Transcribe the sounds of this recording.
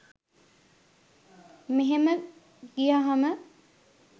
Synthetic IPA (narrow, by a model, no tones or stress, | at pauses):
meɦemə | ɡijaːɦamə